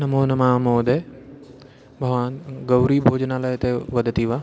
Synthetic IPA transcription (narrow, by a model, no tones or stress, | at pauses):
nɐmoːnɐmaːmoːd̪e | bʱɐʋaːnɡɐwɾibʱoːd͡ʒnaːlaːjt̪eʋɐd̪ʱt̪iʋaː